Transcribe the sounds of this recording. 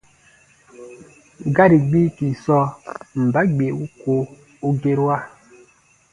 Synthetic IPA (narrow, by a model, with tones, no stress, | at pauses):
ɡa˦ɾi˨ɡ͡bi˦ki˨sɔ˦m̩˨ba˨˦ɡ͡be˨u˦ko˦ | u˦ɡe˦ɾwa˦˨